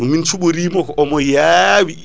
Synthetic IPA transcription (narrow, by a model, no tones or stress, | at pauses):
ɗumint͡ʃuɓuɾiːmɔkɔʔɔmɔjawi